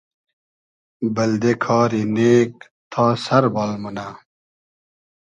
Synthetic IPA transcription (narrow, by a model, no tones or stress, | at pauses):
bɐld̪ekʰɑːɾineːk̚ | t̪ʰaːsɐɾbaːlmuna